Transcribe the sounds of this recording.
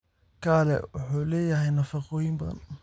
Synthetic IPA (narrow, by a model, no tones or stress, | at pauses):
kʰaːlɛ̰wʊħuːlɛːjɐɦɛjnɐfɑqɔːjɪmbɐðɐ̰n